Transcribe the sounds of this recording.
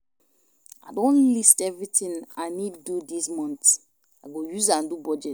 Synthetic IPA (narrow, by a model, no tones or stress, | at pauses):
adõnlistɛvɹitĩŋaniddudismɔ̃nt | aɡojuzãndubɔd͡ʒɛt